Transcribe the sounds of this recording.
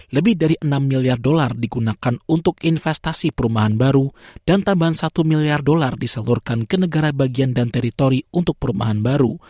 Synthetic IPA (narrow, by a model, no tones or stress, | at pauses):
ləbɪhdaɾiʔənamːiliardolardiɡunakanunt̪ʊkinfɛst̪asipəɾumaɦanbaɾud̥ant̪ambaɦansat̪umiliardolardisalurkankənəɡaɾabaɡiandant̪ɛɾit̪oɾiunt̪ʊk̚pəɾumaɦanbaɾu